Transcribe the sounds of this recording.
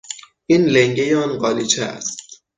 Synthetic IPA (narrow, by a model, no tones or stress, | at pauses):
ʔiːnleŋɟejeɒnɢɒːliːt͡ʃʰeæ̰st̪